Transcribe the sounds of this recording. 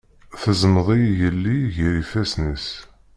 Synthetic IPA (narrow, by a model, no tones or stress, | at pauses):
θəzməðˤijjəlːiʝəɾifæsnis